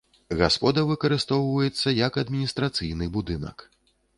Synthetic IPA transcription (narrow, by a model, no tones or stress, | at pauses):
ɣaspɔd̪ɐvɨkɐɾɨst̪ɔwvɐjɛt̪sːɐjɐkɐd̪mʲinʲist̪ɾat̪sɨjnɨbud̪ɨnɐ̰k